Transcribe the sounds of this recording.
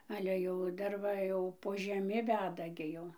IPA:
ˈɑːlʲɛ jɛʊ ˈdɐr ʋɐ jɛʊ poː ʒʲɛˈmʲɪ ˈʋʲæːdɐ ˈɡʲɪ ˈjɛʊ

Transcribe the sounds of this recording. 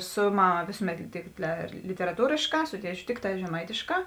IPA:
ˈsʊ ˈmɑːˌmɐ ˈʋʲeːsʊˌmʲɛt tʲɪk lʲɪtʲɛrɐˈtuːrʲeːʃˌkɑː ˈsʊ ˈtʲiɛˌt͡ʃʲʊ ˈtʲɪkˌtɑː ʒʲɛˈmɐɪtʲeːˌʃkɑː

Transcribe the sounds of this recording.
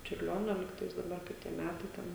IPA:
t͡ʃʲʊrʲˈlʲoːnʲoː ˈlʲiːktɐɪs dɐˈbɐr kɐɪ ˈtʲiɛ ˈmʲætɐɪ ˈtʲɛn

